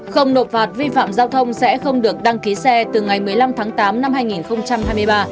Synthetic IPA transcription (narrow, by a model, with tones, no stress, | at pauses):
xə˧wŋ͡mno˨˩t̚faː˨˩t̚vi˧fa̰ː˧˨mzaː˧wt̪ʰə˧wŋ͡msɛ̰˧˥xə˧wŋ͡mɗɨ˨˩ək̚ɗa˧ŋki˨˦sɛ˧t̪ɨ˨˩ŋa˨˩jmɨ˨˩əjla˧mt̪ʰaː˨˦ŋt̪aː˨˦mna˧mhaː˧jŋi˨˩nxə˧wŋ͡mt͡ɕa˧mhɦaː˧jmɨ˧əjɓaː˧